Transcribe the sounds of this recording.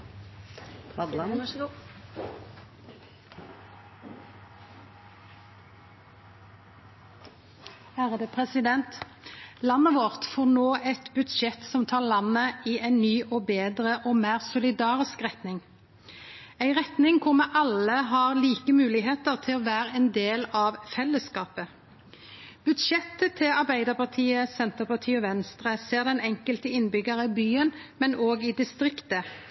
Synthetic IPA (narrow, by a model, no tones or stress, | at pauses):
hæːʁəd̪ːpʰʁɛsɪd̪ɛnt̪ | lɑnəʋoːʁt̪foːʁnoːʔɛt̪bʉd̪ʃɛt̪sɔmt̪ʰɑːʁlɑnəiːʔæɪnnyːʔoːbeːd̪ʁəʔoːmæːʁsʊlɪd̪ɑːʁɪskʁɛt̪nɪŋ | æɪʁɛt̪nɪŋkʰʊʁmɛʔɑləɦɑʁliːkəmʉːlɪɦeːt̪əʁt̪ʰɪlɔʋæːʁəɛːnd̪eːlɑʋfɛlːəskɑːpə | b̥ʉd̪ʃɛt̪ːət̪ʰɪlɑɾbæɪd̪əʁpɑʁt̪ʰiːəsɛnt̪əpɑt̪ʰiːɔʋɛnst̪ʁəseːʁd̪ɛnɛŋkəlt̪əɪnbʏɡəʁəɪbyːən | mɛnoːɡɪd̪ɪst̪ʁɪkt̪ə